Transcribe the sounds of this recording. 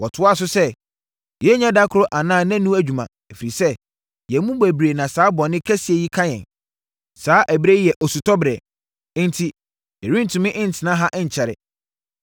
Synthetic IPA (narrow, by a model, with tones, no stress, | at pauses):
wɔ˨tʰʊ˦˨s̬ʊ˦sɛ˦ | jɛ˦ɲã˦da˦kʰʊ˨ɾʊ˦ʔa˨nãː˦˨nã˦nũ˦æ˨d͡ʑᶣu˨mã̰˨ | ɛ˨fi˨ɾi˨sɛ˦ | jɛ˨mũ˦bæ˨bɾe˨nã˨saː˨˦bɔ˨nɪ̃˦kʰæ˦si˨e˨ji˦kʰã˦jɛ̰̃˨n | saː˦ʔæ˨bɾe˦jɛ˨ʔɔ˨su˨tʰɔ˦bɾɛ̃˨˦ | n̩˦tʰi˦ | jɛ˨ɾĩ˦n̩˨tʰũ˨mɪ̃˦ʔɪ̃˦n̩˨tʰɪ˨nã˦ɦa˦ʔɪ˦ɲ̩˨t͡ɕʰɛ˨ɾɪ̰˨